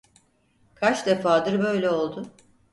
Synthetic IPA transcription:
kʰat͡ʃd̪efaːd̪ɯɾbø̞jlʲɛo̞lˠd̪ʊ

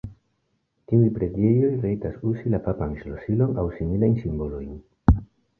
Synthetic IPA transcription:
tiujpɾe̞die̞jo̞jɾe̞jtasusilapapanslo̞silo̞nawsimilajnsimbo̞lo̞jn

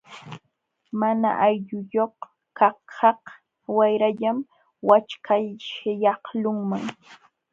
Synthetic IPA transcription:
mana̰ʔajʎʊjoχ | kɑhɑh | wajɾaʎam | wat͡ʃkʰajʃjɑhlʊŋmaŋ

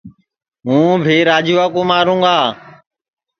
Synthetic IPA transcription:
ɦũːbʱiːɾaːd͡ʒuːaːkuːmaːɾũːɡaː

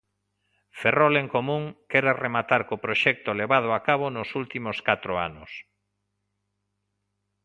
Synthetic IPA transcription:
feroleŋkomũŋkɛɾaremat̪aɾkopɾoʃɛk̚t̪oleβað̞ʊakaβonosult̪imoskat̪ɾoa̰nʊ̰s

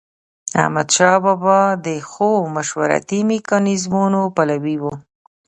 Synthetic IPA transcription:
a̰hmad̪ʃɑbɑbɑd̪əxomaʃwaɾa̰t̪imikɑnizmunopalawiwu

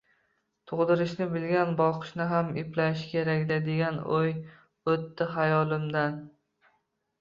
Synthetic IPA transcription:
t̪ʰʊʁd̪ɪɾɪʃnɪbɪlɡʲanbɒqʰɨ̥ʃnɪɦamɪplaʃkʲʰe̞ɾakʲd̪ad̪e̞ɡʲanoj | ɵt̪ːɪɦajɒlˠɪmd̪an

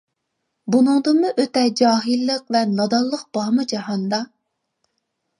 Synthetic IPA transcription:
bunɨŋd̪ɨnmuʔøt̪ɛd͡ʒɑːɦɨlˠːəq̚vɛnɑd̪ɑlˠːəq̚b̥ɑmɨd͡ʒɑɦɑnd̪ɑ

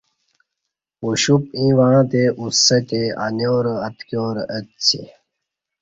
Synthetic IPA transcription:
uɕup̚ĩːʋãːt̪eusːɐt̪ea̰njoːɾəɐt̪kjoːɾʔət̪t͡ɕʰḛ

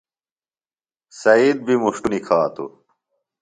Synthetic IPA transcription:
sɐiːd̪̚bimuʂʈunikʰaːt̪ṵ

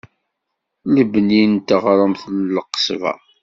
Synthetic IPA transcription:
ləbənint̪əʁɾˤəmθlːqə̥svæ̰

